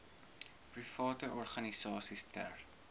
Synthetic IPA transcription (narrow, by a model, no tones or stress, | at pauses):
prifɑːtəʔɔrχɐnisɑːsistæ̰r